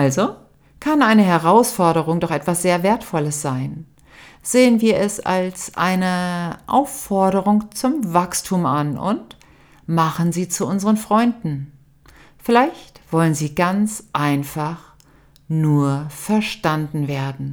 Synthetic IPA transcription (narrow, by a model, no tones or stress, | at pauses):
ʔalzo | kʰanʔaɪnəɦɛʁaʊsfɔɐɾəʁʊŋdɔχʔɛtv̥asz̥eːɐveːɐtfɔləsz̥aɪn | z̥eːənviːɐʔɛsa̰lsʔa̰ɪnəʔa̰ʊfɔɐɾəʁ̞ʊŋt͡sʊmvakstʰuːmanʔʊ̰nt | maχənziːt͡suʔʊnzəʁənfʁ̥ɔʏndn̩ | fɪlaɪçtv̥ɔlənziːɡant͡sʔaɪnfaχ | nuːɐfɛɐʃtandn̩veːɐdn̩